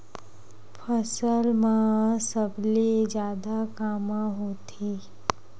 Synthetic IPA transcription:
pʰəsəlmãsəblid͡ʒjaːd̪akaːmãɦoːt̪ʰi

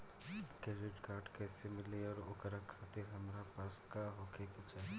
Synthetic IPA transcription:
keːɾɪʈkaːɾʈkesɪmɪliɔːɾʊkɾakʰaːt̪ɪɾɦɐmɾapaːskaɦoːkʰeket͡ʃɛː

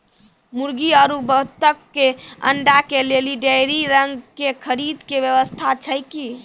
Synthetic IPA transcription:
muɾɡiəɾubət̪əkːeə̰ɳɖakeleliɖejɾiɾəŋɡkekʰəɾid̪kebjəʋəst̪ʰat͡ʃʰəjki

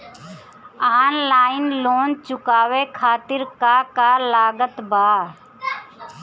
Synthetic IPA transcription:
aːnlaːɪnloːnt͡ʃʊkaːʋekʰaːt̪ɪɾkakalaːɡət̪baː

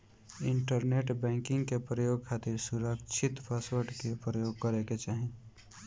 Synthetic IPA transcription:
ɪɳʈəɾneʈbɛ̃ːŋkɪ̃ŋɡkepɾəjoɡ̚kʰaːt̪iɾsuɾəkt͡ʃʰɪt̪pʰaswəɾʈkepɾəjoɡ̚kəɾeket͡ʃaːɦĩ

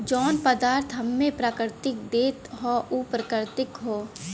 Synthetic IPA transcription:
d͡ʒɔːnpəd̪aːɾt̪ʰɦɐmːẽpɾaːkɪɾt̪ɪk̚d̪eːt̪ɦɔːʔupɾəkəɾt̪ɪkɦoː

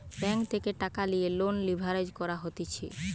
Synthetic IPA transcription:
bɛŋkt̪ʰekeʈakalijelonlibʱaɾed͡ʑkɔɾaɦot̪et͡ɕʰe

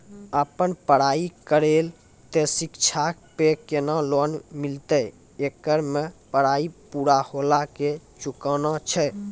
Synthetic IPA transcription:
əpənpəɽaikəɾel | t̪esikt͡ʃʰakpekenalonmilt̪ə | ekəɾmepəɽaipuɽaholaket͡ʃukənɔt͡ʃʰɛ

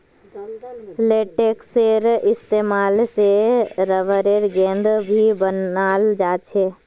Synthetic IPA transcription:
leːʈeːkseɾɪst̪eːmaːlseɾəʋəɾeɾɡẽːnd̪bʱibənaːld͡ʒaːt͡ʃʰeː

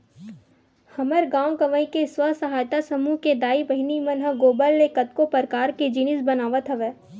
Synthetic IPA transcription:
hɐməɾɡãːwkɐʋəĩkeswasɐɦaːjt̪asɐmuɦked̪aːibɐɦɪnimɐnɦəɡoːbəlːekɐt̪̚kopəɾkaːɾked͡ʒɪnɪsbɐnaːʋət̪ɦɐʋeː

